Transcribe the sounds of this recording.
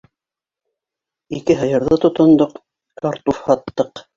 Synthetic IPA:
ikɘɦɤ̆jɤ̆ɾðɤt̪ŏt̪ŏnd̪oq | kɑɾt̪ufhɑt̪ːɤq

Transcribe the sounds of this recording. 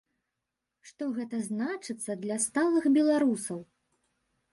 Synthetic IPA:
ʂt̪ɔɣɛt̪ɐznat͡ʂɨt̪sːɐd̪lʲɐst̪alˠɨxbʲɛlˠaɾusɐw

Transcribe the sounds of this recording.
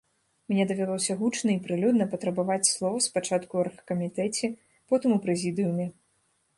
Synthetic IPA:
mnʲɛd̪ɐvʲalˠɔsʲɐɣut͡ʂnɐipɾɨlʲud̪nɐpɐt̪ɾɐbavat͡sʲslˠɔvɐspat͡ʂat̪kuɐrxɐ̥kɐmʲit̪ɛt͡sʲɛ | pɔt̪ɨmupɾɛzʲid̪ɨjumʲɛ

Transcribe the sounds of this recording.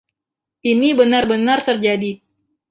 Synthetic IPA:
inibənarbənart̪ərd͡ʒadi

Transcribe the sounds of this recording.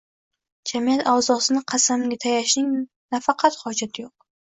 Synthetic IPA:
d͡ʒamijat̪ʰawzɒsɪnɪqʰɑsamɡʲat̪ʰajaʃnɪŋ | nafɑqʰɑt̪hɒd͡ʒat̪ʰɪjoq̚

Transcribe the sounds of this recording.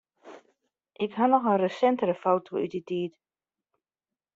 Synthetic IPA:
ʔɪkɦanɔxənrəsɛntəɾəfowtʰoyt̚ditiːt

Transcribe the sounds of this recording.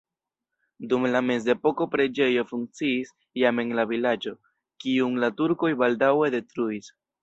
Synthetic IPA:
dumlame̞ze̞po̞ko̞pɾe̞d͡ʒe̞jo̞fuŋk̚t͡siːs | jame̞ŋlavilad͡ʒo̞ | kiuŋlatuɾko̞jbaldawe̞de̞tɾuis

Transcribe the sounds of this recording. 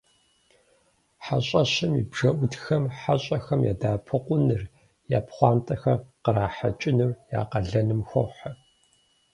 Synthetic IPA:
ħaɕʼɐɕɪmḭbʐɐʔʷʊtxɐmħaɕʼɐxɐmja̰ːdaːpʰɨqʷʼʊnɨr | jaːpχʷɑːmtʼɐxɐrqəraːħat͡ʃʼɪnɨrja̰ːqɐɮɐnɨmxʷɔħɐ

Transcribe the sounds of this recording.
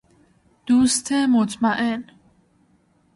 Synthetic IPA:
d̪̥ust̪ʰɛːmɔt͡sʼmaʔɛn

